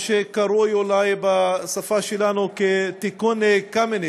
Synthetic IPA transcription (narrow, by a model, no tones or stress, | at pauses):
ʃekɐɾojolajebasɐfaʃilanoket̪ikonekɐmene